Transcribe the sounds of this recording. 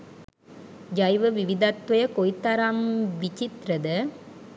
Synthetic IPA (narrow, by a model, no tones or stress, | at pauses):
d͡ʒɐjʋɐʋiʋɪd̪ɐt̪ʋɐjɐkojt̪ːɐɾamʋit͡ʃɪt̪ɾɐðɐ